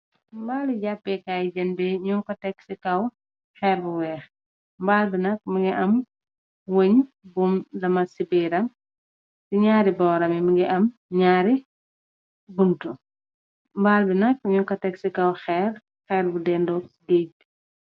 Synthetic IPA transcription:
mbaːliɟapːɛkaːjd͡ʒɐnbɛɲukɐtɛksikɐw | xɛːrbuwɛːx | mbaːlbinɐk̚mɐɡiʔɐm | woɲ | bumdɐmɐsibiːɾɐŋ | siɲaːɾibɔːɾɐmimɐɡiʔɐmɲaːɾi | buntu | mbaːlbinɐk̚ɲukɐtɛksikɐwxɛːr | xɛːɾbudɛndɔded

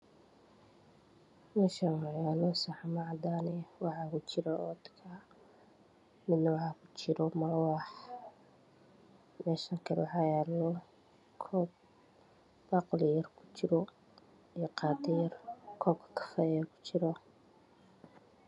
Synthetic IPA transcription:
mɛːʃajaːnɔsaħmɐʕɑd̪aːnɛwɑħɑkʊt͡ʃɪɾɐɔːd̪kʰa | mɪd̪nɐwɑħɑkʰʊ̥t͡ʃɪɾɔmɐrwɑːħ | mɛːʃɐŋkʰɐlɛwʕɑjanɔ | kʰɔːb̚ | bɑːqlɪjɐrkʰʊ̥t͡ʃɪɾɔ | ijɔqɑːd̪ɪjɐrkʰɔːbkʰɐ̥kʰɐ̥fɛjɐkʰʊ̥t͡ʃɪɾɔ

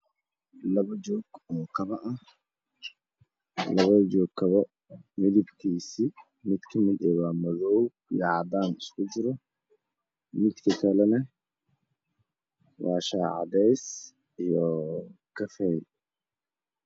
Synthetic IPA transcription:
lɐβɐd͡ʒɔːɡ̥ɔːkʰɐβɐʔɐh | lɐβɐd͡ʒɔːɡkʰːɐβɐ | mɪðɪbkʰiːsi | mɪd̪kʰɐmɪd̪ɛβaːmɐðɔw | ijɐʕɑd̪aːnɪskʰʊd͡ʒɪɾɔ | mɪd̪kʰɐkʰɐlɛnɐ | wɑːʃaːʕɑ̰d̪ɛjs | ijɔkʰɐfɛj

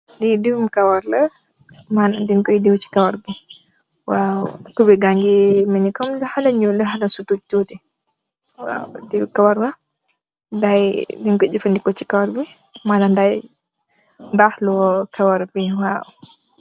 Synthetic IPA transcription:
didiwmkawaɾla | manandiŋkɔjdiwt͡ʃi̥kawaɾbi | wautubɛɡaŋɡiminikɔmlɛhalaɲuləɦalasutututɛ | wa̰wdiwkawaɾwa | ndajdiŋkɔd͡ʒifandikɔt͡ʃi̥kawaɾbi | manandaj | bahlɔkawaɾbiwaʔu

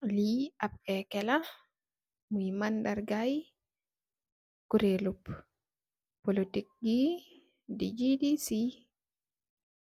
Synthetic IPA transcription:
liap̚kɛkɛla | mujimandaɾɡaj | kuɾelup | polotik̚ɡi | did͡ʒidisi

